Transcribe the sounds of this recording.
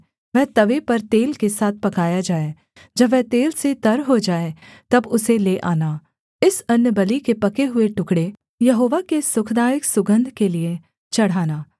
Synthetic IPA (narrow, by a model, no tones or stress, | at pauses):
ʋɛ̃ːt̪ɐʋepɐɾt̪eːlkesaːt̪̚ʰpɐkaːjad͡ʒaːeː | d͡ʒɐbʋɛt̪eːlset̪ɐɾɦod͡ʒaːet̪ɐbʊseleʔaːnaː | ɪsɐnjəbɐlikepɐkeɦʊeʈʊkɽe | jɐɦoːʋakesʊkʰd̪aːjɪksʊɡə̃nd̪ʱkelie | t͡ʃɐɽ̤aːnaː